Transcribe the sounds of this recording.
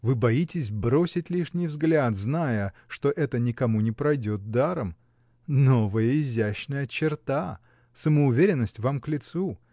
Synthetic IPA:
vɨbɐjitʲɪsʲbɾo̞sʲɪtʲlʲiʂnʲɪjvzɡlʲat̪znajəʂt̪o̞ʔɛt̪ənʲɪkɐmunʲɪpɾɐjdʲot̪̚d̪aɾəm | no̞vəjəɪzʲæɕnəjət͡ɕɪrt̪a | səməʊvʲeɾʲɪnːəsʲtʲvamklʲɪt̪su

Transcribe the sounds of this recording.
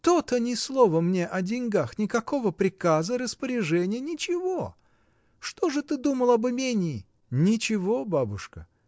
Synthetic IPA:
t̪ot̪ənʲɪslˠovəmnʲeʔɐdʲɪnʲɡaxnʲɪkɐko̞vəpɾʲɪkazəɾəspəɾʲɪʐɛnʲɪjənʲɪt͡ɕɪvo | ʂt̪oʐɨt̪ɨd̪uməlˠɐbɨmʲenʲɪː | nʲɪt͡ɕɪvobabʊʂkə

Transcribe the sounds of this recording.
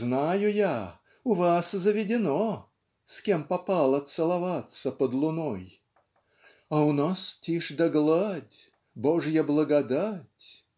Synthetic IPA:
znajʊja | ʊvaszəvʲɪdʲɪno | skʲempɐpɑlˠɐt̪sɨlˠɐvat̪səpəd̪lˠʊnoj | ɐʊnastʲiʂd̪ɐɡlˠadʲ | boʐjəblˠəɡɐd̪atʲ

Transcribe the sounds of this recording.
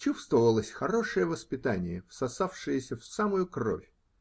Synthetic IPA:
t͡ɕust̪vəvəlˠəsʲxɐɾo̞ʂɨjəvəspʲɪt̪anʲɪjəfsɐsafʂɨjəsʲəfsamʊjʊkro̰fʲ

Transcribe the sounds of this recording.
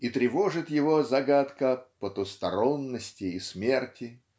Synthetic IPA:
it̪ɾʲɪvoʐɨt̪jɪvozɐɡat̪kəpət̪ust̪ɐɾonːəsʲtʲɪːsmʲe̞rtʲɪ

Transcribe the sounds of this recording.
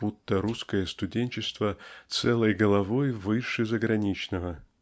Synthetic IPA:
but̪ːəɾuskəjəst̪ʊdʲenʲt͡ɕɪst̪vət̪sɛlˠəjɡəlˠɐvojvɨʂɨzəɡɾɐnʲit͡ɕnəvə

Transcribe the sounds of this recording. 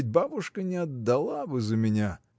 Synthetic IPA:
t̚ʲbabʊʂkənʲɪɐd̪ːɐlˠabɨzəmʲɪnʲa

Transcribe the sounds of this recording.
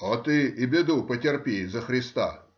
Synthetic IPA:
ot̪ɨibʲɪd̪upətʲɪrpʲejzɐxɾʲɪst̪a̰

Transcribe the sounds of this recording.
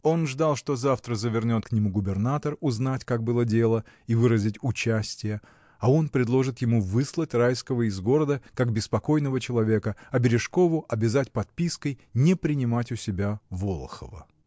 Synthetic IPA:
o̞nʐd̪ɑlˠʂt̪o̞zaft̪ɾəzəvʲɪrnʲo̞t̪knʲɪmuɡʊbʲɪrnat̪ərʊznatʲkak̚bɨlˠədʲe̞lˠə | ivɨɾəzʲɪtʲʊt͡ɕæsʲtʲɪjə | ɐo̞npɾʲɪd̪lˠo̞ʐɨt̪jɪmuvɨslˠətʲrajskəvəɪzɡo̞ɾəd̪əkaɡbʲɪspɐko̞jnəvət͡ɕɪlˠɐvʲe̞kəɐbʲɪɾʲɪʂko̞vʊʔɐbʲɪzatʲpɐt̪̚pʲiskəjnʲɪpɾʲɪnʲɪmatʲʊsʲɪbʲavo̞lˠəxə̰və̰

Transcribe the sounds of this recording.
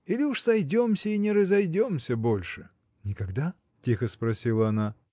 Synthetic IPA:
ilʲɪuʂsɐjdʲo̞msʲəinʲɪɾəzɐjdʲo̞msʲəbo̞lʲʂɨ | nʲɪkɐɡd̪a | tʲixəspɾɐsʲilˠəɐna

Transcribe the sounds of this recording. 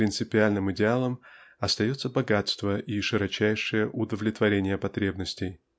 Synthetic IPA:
ɾʲɪnt̪sɨpʲɪalʲnɨmɨdʲɪalˠəmɐst̪ɐjo̞t̪səbɐɡat̪st̪vəʔiʂɨɾɐt͡ɕæjʂɨjəʔʊd̪əvlʲɪt̪vɐɾʲenʲɪjəpɐt̪ɾʲe̞bnəsʲtʲɪj

